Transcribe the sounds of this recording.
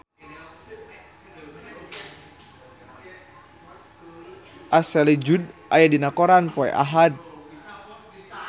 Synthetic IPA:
ʔasɛlid͡ʒudʔa̰jadinakɔɾanpɔɛ̰ʔa̰ɦad̚

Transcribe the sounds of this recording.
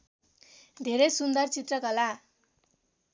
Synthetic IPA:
d̪ʱeɾejsund̪ʌrt͡sit̪rʌkʌla

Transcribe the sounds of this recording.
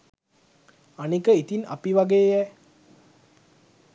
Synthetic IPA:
anikəit̪ina̰piʋaɡeːjɛ

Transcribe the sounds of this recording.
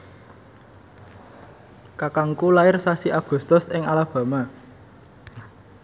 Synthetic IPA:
kakaŋkulaɪrsasiʔaɡ̥ṳst̪ʊsɪŋalab̥ä̤ma

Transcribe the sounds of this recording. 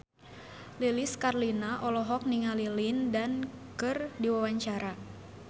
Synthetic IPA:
liliskarlinaʔɔlɔɦɔk̚niŋalilindankɨrdiwawaɲt͡ʃaɾa

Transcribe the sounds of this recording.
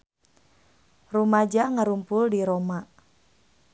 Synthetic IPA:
rumad͡ʒaŋaɾumpʊldiɾoma

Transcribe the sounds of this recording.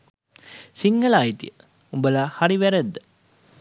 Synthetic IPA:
siŋɡəlaːit̪ḭjə | umbəlahaɾiʋæɾæd̪ːə

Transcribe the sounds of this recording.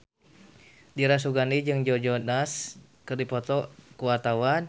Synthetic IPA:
diɾas̬uɡanid͡ʒɨŋd͡ʒɔd͡ʒɔnas | kɨrdipɔt̪ɔkuwart̪awan

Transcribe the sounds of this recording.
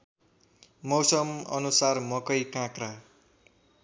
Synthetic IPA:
mʌwsʌmʌ̰nusarmʌkʌjkãkra

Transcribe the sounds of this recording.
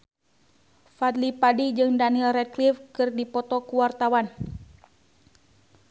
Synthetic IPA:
fad̪lipadid͡ʒɨŋdaniilrɛt̪̚klifkɨrdipɔt̪ɔkuwart̪awan

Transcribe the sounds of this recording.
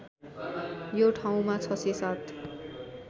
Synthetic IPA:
joʈʰaw̃mat͡sʰʌsesat̪

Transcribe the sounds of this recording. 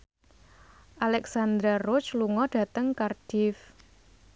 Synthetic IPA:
ʔalɛksand̪ɾarʊt͡ʃluŋɔɖ̥a̤t̪əŋkard̥ɪf

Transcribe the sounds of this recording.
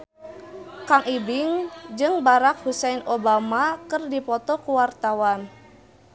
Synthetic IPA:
kaŋʔibɪŋd͡ʒɨŋbaɾak̚husɛnobamakɨrdipɔt̪ɔkuwart̪awan

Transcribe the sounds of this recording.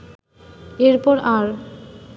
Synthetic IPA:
eɾpɔɾaɾ

